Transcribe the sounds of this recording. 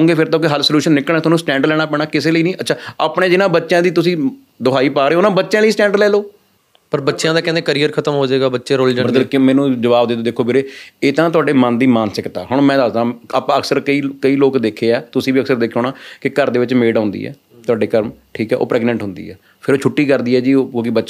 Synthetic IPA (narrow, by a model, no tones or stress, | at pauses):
õːŋɡeːpʰɪɾt̪õːk̬ɪɦəlsəljuːʃənːɪkəlɛːt̪ʊoːnũːsʈɛ̃ːɳɖlɛːɽ̃aːpɛːɽ̃aːkɪseːləiːnĩːʔətːt͡ʃʰaːaːpɳeːd͡ʒɪnãːbətːʃjãːd̪iːt̪̬ʊsĩː | d̪ʊɦaːiːpaːɾeːʊnãːbətːʃãːləiːsʈɛ̃ːɳɖlɛːloː | pəɾbətːʃjãːd̪aːkɛ̃nd̪eːkəɾiːəɾkʰət̪əmɦoːd͡ʒaːɡaːbətːʃeːɾoːld͡ʒɾd̪əlkɪmɛ̃ːnũːd͡ʒəʋaːbd̪ɪoːd̪eːkʰːoːbeːɾeːeːt̪ãːt̪ʊaːɖeːmənd̪iːmaːnsɪkt̪ɛ̰ːɦʊɽ̃mɛ̃ːd̪aːzd̪ãːapãːəksəɾkəiːkəiːloːkd̪eːkʰːeːɛːt̪ʊsĩːbiːəksəɾd̪eːkʰːoːnãːkɪkəɾd̪eːʋɪt͡ʃmeːɖʊ̃ːnd̪ḭːɛ̰ː | t̪ʊaːɖeːkəɾmʈʰiːkɛːʔo̰ːpɾɛːɡnɛ̃ɳʈɦʊ̃nd̪ḭːɛ̰ː | pʰɪɾoːt͡ʃʰʊʈːiːkəɾd̪iːɛːd͡ʒiːoːkõːkibətːʃ